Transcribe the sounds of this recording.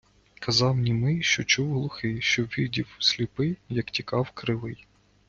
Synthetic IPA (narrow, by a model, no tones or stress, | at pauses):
kʰɐzɑwnʲimɪjʃt͡ʃɔt͡ʃuwɦlˠʊxɪʃt͡ʃɔʋʲidʲiwsʲlʲipɪjɐktʲikɑwkɾɪlˠɪj